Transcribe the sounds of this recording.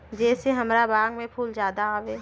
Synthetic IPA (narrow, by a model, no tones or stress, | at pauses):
d͡ʒɛːseɦɐmɾabãːŋɡmẽpʰuːlzjaːd̪aaːʋeː